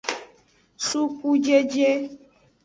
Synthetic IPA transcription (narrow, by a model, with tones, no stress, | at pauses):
su˦ku˦d͡ʒe˦d͡ʒe˦